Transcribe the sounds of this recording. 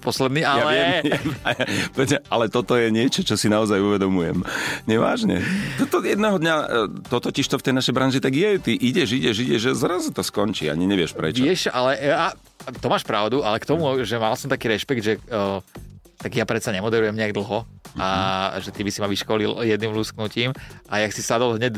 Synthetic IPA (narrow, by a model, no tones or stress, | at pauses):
pɔslɛd̪niːʔajalɛɪɛmɛmaapɔʋɛzmɛalɛt̪ɔt̪ɔjɛɲɪɛt͡ʃɔt͡ʃɔsinaɔzajuʋɛd̪ɔmujɛ̰mɲɛʋa̰ːʒɲɛ̰t̪ɔt̪ɔjɛd̪nɛɦɔd̪ɲat̪ɔt̪ɔciʃt̪ɔft̪ɛjnaʃɛjbɾanʒit̪aɡjɛt̪iʔiɟɛʒiɟɛʒiɟɛʒɛzɾazut̪ɔskɔɲt͡ʃḭa̰ɲiɲɛʋɪɛʃpɾɛ̰t͡ʃjɛʃʔalɛa | t̪ɔmaːʃpɾaʊd̪uʔalɛkt̪ɔmuʒɛmalsɔmt̪akiːɾɛʃpɛɡd̪ʒɛ | t̪aɡjapɾɛt̪saɲɛmɔd̪ɛɾujɛmɲɛaɡd̪l̩ˠɦɔaʒɛt̪ibisimaʋiʃkɔliljɛd̪nimlusknuciːmʔajaksisad̪ɔlɦɲɛt